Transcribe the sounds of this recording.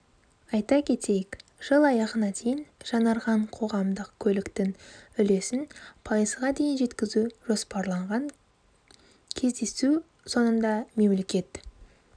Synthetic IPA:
ɑjt̪ɑkʲʰe̞t̪e̞jɪkʒ̥əlˠɑjɑʁənɑd̪e̞jɪnʒ̥ɑnɑɾʁɑɴqʰo̞ʁɑmd̪əqkʲʰɵlɪkt̪ɪŋʏle̞sɪnpʰɑjəzʁɑd̪e̞jɪnʒe̞t̪kʲɪzuʒo̞spɑɾlˠɑɴʁɑŋ | kʲʰe̞zd̪e̞su | so̞nənd̪ɑme̞mle̞kʲe̞t̪

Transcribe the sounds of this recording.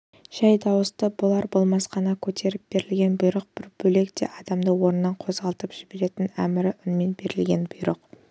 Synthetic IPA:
ʒ̥æjd̪ɑwəst̪əbʊlˠɑɾbo̞lˠmɑsqɑnɑkʲʰɵt̪ʰe̞ɾɪp̚b̥e̞ɾɪlɡʲe̞nbʊjɾəq̚b̥ɪɾb̥ɵle̞kt̪e̞̰ʔɑd̪ɑmd̪əwo̞ɾənːɑɴqʰo̞zʁɑlˠt̪əpʒ̥ɪbe̞ɾe̞t̪ɪnæmɪɾɪʔʏnmenbe̞ɾɪlɡʲe̞nbʊjɾəq

